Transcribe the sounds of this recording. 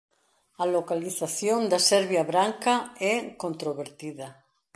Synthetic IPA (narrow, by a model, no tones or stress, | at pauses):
alokaliθaθjõnd̪asɛɾβjaβɾaŋkaɛkõnt̪ɾoβeɾt̪iða